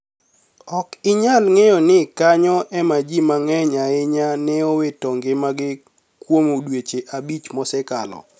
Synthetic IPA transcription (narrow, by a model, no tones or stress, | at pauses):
ɔkɪɲalŋejɔnɪkaɲɔʔɛmad͡ʒimaŋɛɲaɪɲanɪɔwetɔŋɡɪmaɡɪ | kwomodwet͡ʃeʔabit͡ʃmɔsɛkalɔ̰